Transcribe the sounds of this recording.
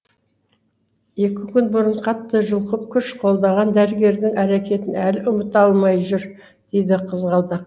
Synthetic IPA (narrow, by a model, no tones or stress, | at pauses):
je̞kʲɪkʲʰʏnbʊɾəɴqʰɑt̪ːəʒʊlˠqəp̚kʲʰʏʃqʰo̞lˠd̪ɑʁɑnd̪æɾɪɡʲe̞ɾd̪ɪŋæɾekʲʰe̞t̪ɪnælɪʔʊmət̪ɑlˠmɑjʒʊɾ | d̪̥e̞jd̪ɪqʰəzʁɑlˠd̪ɑq̚